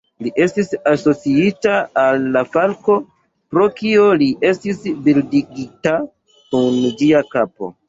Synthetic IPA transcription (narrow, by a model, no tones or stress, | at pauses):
liʔe̞stisaso̞t͡siitaːlːafalko̞ | pɾo̞kioliʔe̞stisbildiɡita | kund͡ʒiakapo̞̰